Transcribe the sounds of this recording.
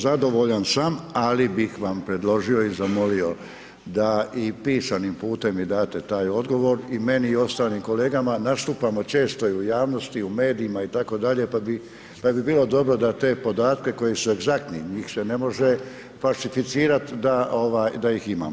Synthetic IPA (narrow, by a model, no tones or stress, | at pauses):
zad̪o̞ʋo̞ʎansamalibixʋampɾe̞d̪lo̞ʒio̞izamo̞lio̞ | d̪aipiːsanimpuːt̪e̞mid̪aːt̪e̞t̪aːjo̞d̪ɡo̞ʋo̞ɾime̞niːo̞st̪aːlimko̞le̞ːɡamanast̪uːpamo̞t͡ʃe̞ːst̪o̞iujaːʋno̞st̪iume̞ːd̪iːmait̪ako̞d̪aʎe̞pabi | pabibiːlˠo̞d̪o̞bɾo̞d̪at̪e̞ːpo̞d̪aːt̪ke̞ko̞jisue̞ɡzak̚t̪niɲiːxse̞ne̞mo̞ʒe̞ | falʃifit̪siːɾat̪d̪aʔo̞ʋajd̪ajixima̰ːmo